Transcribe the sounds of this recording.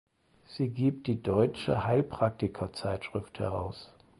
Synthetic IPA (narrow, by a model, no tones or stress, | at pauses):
z̥iːɡiːp̚t̚d̥iːdɔʏt͡ʃə̰haɪlpʁ̥ak̚tɪkʰɐt͡saɪtʃʁ̥ɪfthɛ̰ʁa̰ʊs